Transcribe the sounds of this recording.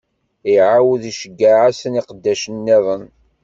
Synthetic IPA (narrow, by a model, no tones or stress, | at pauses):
iʕawəðiʃəɡːaʕasəniqəd̪ːæʃənːiðˤən